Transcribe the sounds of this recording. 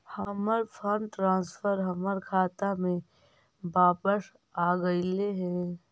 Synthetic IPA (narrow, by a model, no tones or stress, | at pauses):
həməɾpʰəɳɖʈɾãːnspʰəɾɦəməɾkʰaːt̪amẽ | baːpəʃ | aːɡəileɦɛ̃ː